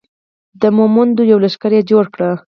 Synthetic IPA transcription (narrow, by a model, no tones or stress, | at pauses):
d̪əmomʊnd̪ojawlaʃkaɾjed͡ʒoɽkɽə